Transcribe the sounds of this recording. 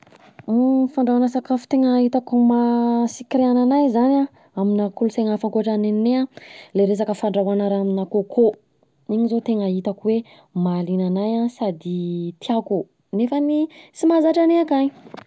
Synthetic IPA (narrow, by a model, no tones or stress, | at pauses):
faɳɖ͡ʐawanasakafu̥t̪eŋaɦit̪akumasikiɾeananajzana | aminakuluseŋafaŋkoaʈ͡ʂaneninealeɾes̬akəfaɳɖ͡ʐawanaɾaaminakokʰo | iɲizot̪eŋait̪akuwe | malinanajasad̪it̪ʰiaku | nefənisimazaʈ͡ʂaneakaj